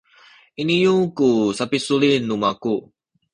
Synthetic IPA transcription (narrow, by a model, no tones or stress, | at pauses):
inijukusapisulinumaku